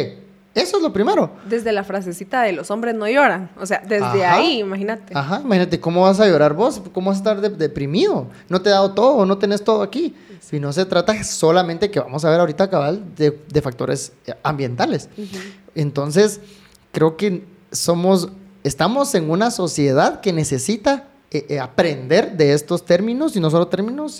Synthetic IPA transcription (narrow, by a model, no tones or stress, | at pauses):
esoezlo̞pɾime̞ɾo̞d̪e̞zðe̞lafɾas̬esit̪aðelo̞so̞mbɾe̞zno̞ʝo̞ɾaŋosead̪ezðeaaiːmaxinat̪eaxaimaxinat̪̬e̞ko̞mo̞βas̬aʝo̞ɾaɾβo̞skomoβas̬est̪aɾðeðe̞pɾimiðono̞t̪e̞ðaðot̪o̞ðono̞t̪ene̞st̪o̞ðoakisino̞s̬e̞t̪ɾat̪aso̞lament̪eke̞βa̰mo̞s̬aβeɾaoɾit̪akaβald̪ed̪e̞fak̚t̪o̞̰ɾe̞̰s | ambje̞nt̪ale̞s | ent̪o̞ns̬e̞s | kɾe̞oke̞ | so̞mo̞s | est̪amo̞se̞ŋunaso̞sje̞ðaðke̞ne̞se̞sit̪a | eapɾe̞nd̪e̞ɾðe̞est̪o̞st̪e̞ɾmĩno̞sino̞s̬o̞lot̪e̞ɾmĩno̞s